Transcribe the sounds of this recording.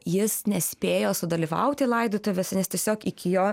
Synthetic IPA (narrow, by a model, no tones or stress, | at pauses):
jɪsnʲɛsʲpʲeːjoːsʊd̪ɐlʲiʋɐ̰ʊt̪ʲɪlˠɐɪd̪ot̪oʋʲɛsʲnʲɛst̪ʲiɛsʲoːkɪkʲɪjoː